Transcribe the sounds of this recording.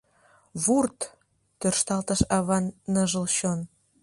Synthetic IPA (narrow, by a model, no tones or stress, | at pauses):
βurt̪ | t̪ørʃt̪ɑlt̪ə̆ʃɑβɑnːəʒə̆lɕon